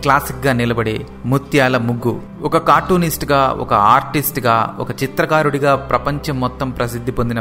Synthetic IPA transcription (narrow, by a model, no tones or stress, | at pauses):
klaːsikɡaːnilɐbɐɽḛː | mut̪jaːlɐmuɡːu | ɔkɐkaːʈːuːnisʈɡaːɔ̰kɐ̰a̰ːɾʈisʈɡaːɔ̰kɐt͡ʃit̪ɾɐkaːɾuɽiɡaːpɾɐpɐɲt͡ʃɐmːɔt̪ːɐmpɾɐsid̪ʱːipond̪inɐ